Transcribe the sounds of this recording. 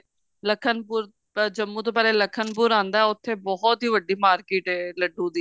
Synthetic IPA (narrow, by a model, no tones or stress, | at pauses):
ləkʰːənpuːɾ | d͡ʒəmːũːt̪õːpɛːleːləkʰənpuːɾãːnd̪aːɛʊt̪ʰːeːbɔɦɔt̪ɦiːʋəɖiːmaːɾkeːʈɛːləɖũːd̪iː